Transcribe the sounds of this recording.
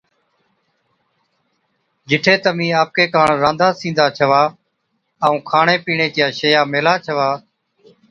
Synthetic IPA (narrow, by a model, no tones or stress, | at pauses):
d͡ʒɪʈʰeːt̪əmĩːaːp̚keːkaːɳɾãːnd̪aːsĩːnd̪aːt͡ʃʰəʋaː | əũːkʰaːɳeːpiːɳ̃eːt̪ɪjaːʃəjaːmeːlaːt͡ʃʰəʋaː